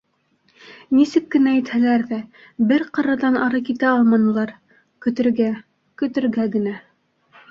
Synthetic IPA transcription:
nisɘkːɘ̆næit̪hælæɾðæ | bɘɾqɤ̆ɾɑðɑnʔɑɾɤkit̪æɑlˠmɑnɤ̆lˠɑɾ | kɵ̆t̪ɘ̆ɾɡæ | kɵ̆t̪ɘ̆ɾɡæɡɘ̆næ

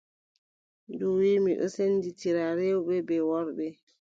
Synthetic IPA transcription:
duwimḭʔɔ̰senditiɾaɾewɓɛbɛwɔɾɓɛ

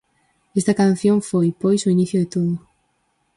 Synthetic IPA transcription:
est̪ɐkan̟θjõŋfojpojsoiniθjʊðɪt̪oðʊ

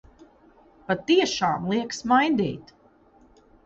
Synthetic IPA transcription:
pat̪iɛʃaːmlˠiɛksmajd̪ḭːt̪

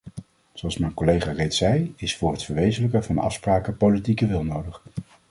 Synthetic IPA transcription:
zoɑlˠsmɛjnkɔlejχaːrejtsɛjɪsfʊːɹɦətfəɹʋejzələkəvɑnɑ̰fspraːkəpowlitikəʋɪlˠnowdəχ

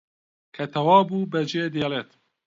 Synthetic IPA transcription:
kʰɛt̪ʰɐwɑːbuːbɛd͡ʒeːd̪eːleːt̪

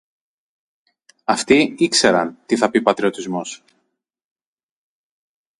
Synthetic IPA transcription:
ɐft̪iikse̞ɾɐnt̪iθɐpipɐt̪ɾio̞t̪izmo̞s

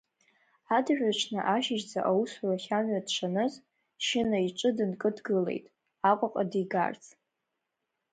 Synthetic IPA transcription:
adʒᶣʷat͡ʃʷʰnɨʔaʃɪʒd͡za̰ʔawusraχʲanɥadt͡ʃʷʰanɨz | ʃɪnaiʈ͡ʂʷʼɨdɨnkʼɨdɡɨlḛjtʼ | aqʷʼaqʼadiɡa̰rt͡sʰʼ

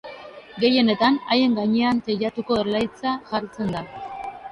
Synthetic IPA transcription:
ɡe̞je̞ne̞t̪anaje̞ŋɡaɲe̞ant̪eʎat̪uko̞eɾlajt͡saʝaɾt͡se̞nd̪a

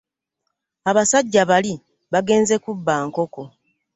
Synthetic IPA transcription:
aβasaɟːaβali | βaɡe̞ːnze̞kubːaːŋko̞ko̞

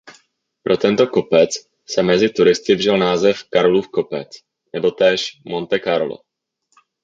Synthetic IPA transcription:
pɾʔo̞t̪ɛnt̪o̞ko̞pɛt͡s | sɛmɛzɪt̪uɾɪst̪ɪvrɪlnaːzɛfkaɾoluːfko̞pɛt͡s | nɛbo̞t̪ɛːʃmo̞nt̪ɛkaɾlo̰

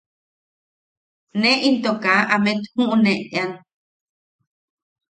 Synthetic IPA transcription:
nẽʔint̪okaʔamẽt̪hũʔũnẽʔt̪ean

